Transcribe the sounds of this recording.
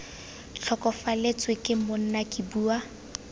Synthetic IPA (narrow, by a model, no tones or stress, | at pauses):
ɬʰɔkʼɔfalet͡sʼwɪkʼɪmon̩nakʼibuːa